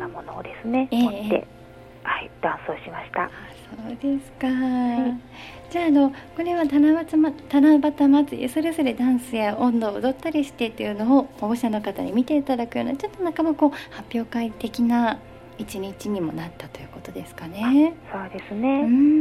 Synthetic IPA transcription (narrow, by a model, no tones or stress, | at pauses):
namonod̪e̞sɨne̞eːot̪ːe̞̰ | haid̪̥ãɰ̃soːɕimaɕi̥t̪aasoːd̪e̞sɨ̥ka | d͡ʑaːno̞ko̞ɾe̞βat̪anaβat͡sɨmat̪anabat̪amat͡sɨjḛso̞ɾe̞zo̞ɾe̞d̪ãɰ̃sɨjaʔõ̞nd̪o̞ːɯd̪o̞t̪ːaɾʲiɕi̥t̪e̞t̪ːejɯ̟noːhoɕano̞kat̪aɲ̟imʲit̪e̞it̪ad̪akɯ̟jonet͡ɕo̞t̪ːo̞nakamoko̞ːhapʲːjo̞ːkait̪e̞kʲina | it͡ɕiɲ̟it͡ɕiɲ̟imo̞nat̪ːat̪o̞jɯ̟ːko̞t̪o̞d̪e̞sɨ̥kane̞soːd̪e̞sɨne̞ɯ̃